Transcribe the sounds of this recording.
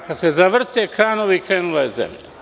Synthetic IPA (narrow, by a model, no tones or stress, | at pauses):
kad̪sezaʋr̩t̪ekɾaːnoʋikɾeːnulajezḛmʎa